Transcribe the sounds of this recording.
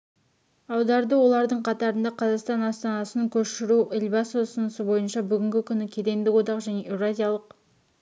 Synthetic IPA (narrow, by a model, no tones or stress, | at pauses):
ɑwd̪ɑɾd̪əwo̞lˠɑɾd̪əɴqʰɑt̪ɑɾənd̪ɑqʰɑzɑqst̪ɑnɑst̪ɑnɑsənəŋkʲʰɵʃɪɾuʔɪlbɑsosənəsəbo̞jənʃɑbʏɡʲɪŋɡʲɪkʲʰʏnɪkʲʰe̞d̪e̞md̪ɪkwo̞d̪ɑqʒæne̞ʔevɾazʲijalˠəq